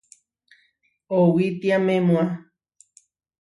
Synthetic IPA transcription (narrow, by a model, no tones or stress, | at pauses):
owit̪iamẽmũa